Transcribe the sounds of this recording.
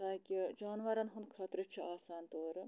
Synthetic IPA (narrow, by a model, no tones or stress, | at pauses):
t̪aːkʲid͡ʒaːnʋɐɾɐnɦunkʰɐt̪ɾɨt͡ʃʰiaːsaːnt̪oːɾɨ